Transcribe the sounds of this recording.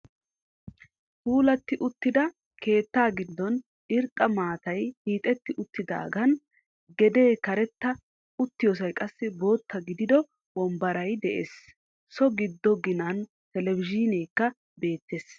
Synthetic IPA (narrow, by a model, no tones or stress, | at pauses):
huːlɐt̪ːɪʔʊt̪ːɪd̪ɐ | kʰe̞ːt̪ːaːɡɪd̪ːɔn | ɪɾt̪ʼːɐmaːt̪ɐjhiːt̪ʼɛt̪ːɪʔʊt̪ːɪd̪a̰ːɡɐn | ɡɛd̪e̞ːkɐɾɛt̪ːɐ | ʊt̪ːɪjɔs̬ɐjkʼɐsːɪbo̞ːt̪ʰːɐɡɪd̪ɪd̪ɔ | wɔmbɐɾɐjd̪ɛʔeːs | sɔɡɪd̪ːɔɡɪnɐn | t̪ɛlɛvɪd͡ʒɪneːkːɐ | be̞ːt̪ːeːs